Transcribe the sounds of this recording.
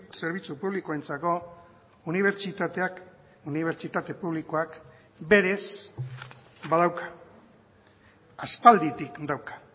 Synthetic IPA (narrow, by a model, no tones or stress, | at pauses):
se̞ɾβ̞it͡supuβ̞likoe̞nt͡sako̞ | uniβ̞eɾt͡ʃit̪at̪eak | uniβ̞e̞ɾt͡ʃit̪at̪e̞puβ̞likoak | be̞ɾe̞s | baðawkḁ | aspald̪it̪ikd̪awkḁ